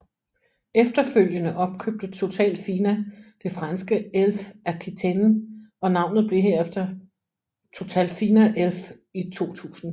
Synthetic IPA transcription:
efd̥ɐføl̰jənəʔɒ̽b̥̚kʰøb̥̚d̥ət͡sʰo̝t͡sʰɛ̰ːld̥fiːnæd̥e̝fʁɑnsɡ̥əelfæɐkʰit͡sʰen̩ɒ̽nɑ̈ʊ̰nð̩ˠb̥le̝ɦe̝ɐ̰efd̥ɐ | t͡sʰo̝t͡sʰɛ̰ːld̥fiːnæʔelf | it͡sʰo̝̰ːt͡sʰṵːsn̩

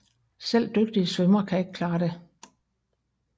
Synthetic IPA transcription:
sel̰d̥øɡ̥̚d̥iəsʋœmɐkʰæe̝ɡ̥kʰlɑ̈ːde̝

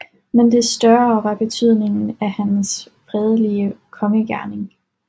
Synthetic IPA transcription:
mend̥e̝sd̥ɶɐʋɑ̈b̥e̝t͡sʰyð̰ˠne̝ŋn̩æhæns | fʁɛð̞ˠliəkʰɒ̽məɡ̥æɐne̝ŋ

